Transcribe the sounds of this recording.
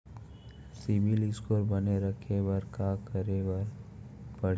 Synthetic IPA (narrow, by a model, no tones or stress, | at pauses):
sibilɪskoːɾbəneɾəkʰebɐɾkaːkəɾewəɾ | pɐɽ